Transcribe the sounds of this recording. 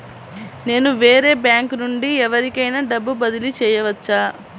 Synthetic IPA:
ne̞ːnuʋe̞ːɾe̞ːbjaːŋknuɳɖiɛʋɐɾikɐjnaːɖɐbːubɐd̪ilit͡ʃɛːjɐʋɐt͡ʃːaː

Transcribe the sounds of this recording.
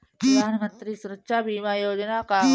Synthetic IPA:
pɾəd̪ʱaːnəmənt̪ɾiːsuɾətːʃabʱiːmajoːd͡ʒnaka

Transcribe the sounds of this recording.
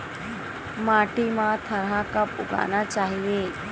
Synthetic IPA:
maːʈimãt̪ʰɐɾakɐpʊ̰ɡa̰ːnat͡ʃaːɦieː

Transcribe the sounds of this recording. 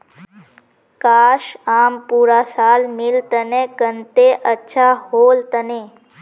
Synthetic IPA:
kaːʃaːmpuɾasaːlmɪlt̪ənekənt̪eʔətːʃʰahoːlt̪əne

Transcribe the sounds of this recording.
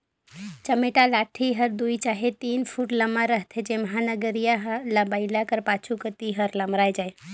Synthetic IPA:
t͡ʃəmeʈalaʈʰiɦəɾd̪uit͡ʃaɦet̪inpʰuʈləmaɾəɦt̪ʰed͡ʒeməɦanəɡəɾijaɦləbəɪlakəɾpat͡ʃʰukət̪iɦəɾləmɾajd͡ʒaj

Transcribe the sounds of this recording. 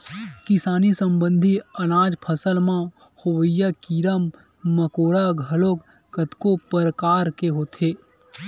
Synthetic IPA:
kɪsaːnisə̃mbə̃nd̪ʱiɐnaːd͡ʒpʰəsəlmã | hoʋəjakiɾəmː | əkoːɾaɡʱɐloːk | kət̪kopəɾəkaːɾkeɦoːt̪ʰeː

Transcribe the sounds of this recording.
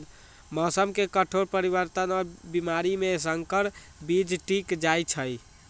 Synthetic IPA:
mɔsəmkekəʈʰoɾpəɾiβəɾt̪ənɔɾbimaɾimesəŋkəɾ | bid͡ʒʈikd͡ʒajt͡ʃʰəj

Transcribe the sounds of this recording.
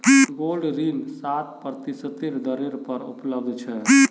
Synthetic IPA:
ɡolɖɾinsat̪̚pəɾt̪isət̪iɾd̪əɾeɾpəɾṵpləbd̪t͡ʃʰɛ

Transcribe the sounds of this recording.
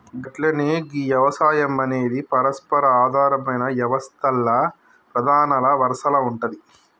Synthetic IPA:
ɡɐʈlɐneːɡijɐʋɐsaːjɐmɐne̞ːd̪ipɐɾɐspɐɾɐaːd̪ʱaːɾɐmɐjnɐʋjɐʋɐst̪ʰɐlːɐ | pɾɐd̪ʱaːnɐlɐʋɐɾɐʂɐlɐuɳʈɐd̪i

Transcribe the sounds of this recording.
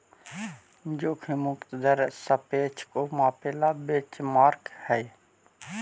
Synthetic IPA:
d͡ʒoːkʰimʊkt̪d̪əɾsəpeːt͡ʃʰkomaːpeːlabeːt͡ʃmaːɾkhɛj

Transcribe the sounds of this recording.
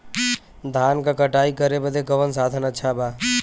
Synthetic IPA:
d̪ʱaːnkakəʈaːikəɾebəd̪ekəʋənsaːd̪ʱənətːt͡ʃʰaba

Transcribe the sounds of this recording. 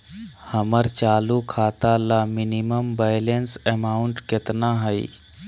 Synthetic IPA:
həməɾt͡ʃaːlukʰaːt̪alamɪniməmbajlensemaːʊɳʈkɪt̪naɦəḭ

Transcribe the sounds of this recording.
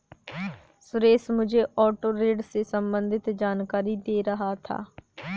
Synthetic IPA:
sʊɾeːsmʊd͡ʒʱeːʔɔːʈoːɾeːɖseːsəmbənd̪ɪt̪d͡ʒaːnkaːɾiːd̪eːɾəɦaːt̪ʰa̰ː

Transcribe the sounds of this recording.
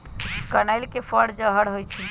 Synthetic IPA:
kənajlkefʰəɽd͡ʒəɦəɽɦojt͡ʃʰi

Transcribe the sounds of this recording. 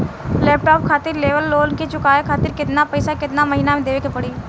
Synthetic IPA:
lɛːp̚ʈɔːp̚kʰaːt̪ɪɾleːʋəlːoːnket͡ʃʊkaːekʰaːt̪ɪɾkɪt̪napəɪsakɪt̪namɐɦiːnamẽd̪eːʋekepɐɽiː

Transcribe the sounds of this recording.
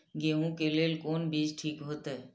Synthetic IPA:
ɡeɦũkelelkoːnbid͡ʒʈʰiːkɦoːt̪ɛ

